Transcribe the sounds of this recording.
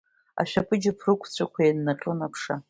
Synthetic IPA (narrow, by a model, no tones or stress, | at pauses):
a̰ʃᶣapʰʼɨd͡ʒɪpʰrɨkʷʰt͡sʷʰakʷʰajanːaʈ͡ʂʼɨnapʰʂa